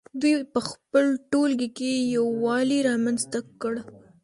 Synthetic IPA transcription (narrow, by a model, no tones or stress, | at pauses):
d̪ujpəxpəlʈolɡikejawːɑliɾɑmanzt̪akəɽ